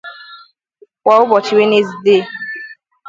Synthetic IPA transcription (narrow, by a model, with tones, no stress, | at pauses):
kʷa˨ʊ˦bɔ˨t͡ʃi˨we˦ne˦zi˨de˦˨